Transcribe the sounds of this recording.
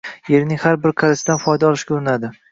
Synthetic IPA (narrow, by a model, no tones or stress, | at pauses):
je̞ɾnɪŋʲhaɾbɪɾqʰɑɾɪsɪd̪anfɒjd̪aɒlˠɪʃkʲoɾɪnad̪ɪ